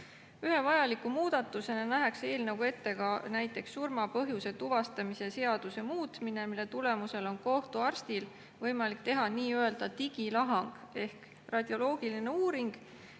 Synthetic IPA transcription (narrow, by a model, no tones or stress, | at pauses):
yɦe̞vɑjɑlikːˑumuːd̪̥ɑt̪ːˑuse̞nɑnæɦe̞kse̞ːlnɑwɡue̞t̪ːe̞ɡɑnæjt̪ːˑe̞ksːurmɑpɤ̞ɦjuse̞t̪uvɑst̪ɑmise̞se̞ɑd̪̥use̞muːt̪mine̞milːe̞t̪ule̞muse̞lo̞nko̞ht̪uɑrst̪il | vɤjmɑlik̚ːˑt̪e̞ɦɑniːøe̞ld̪̥ɑt̪iɡ̥ilɑɦɑŋɡ̥e̞hk | rɑd̪̥ʲjo̞lo̞ːɡ̥iline̞uːɾiŋɡ̥